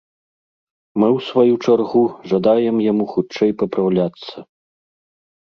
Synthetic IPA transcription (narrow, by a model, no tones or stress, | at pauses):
mɨwsvajut͡ʂarɣuʐad̪ajɛmjamuxut͡ʂɛjpɐpɾawlʲat̪sːɐ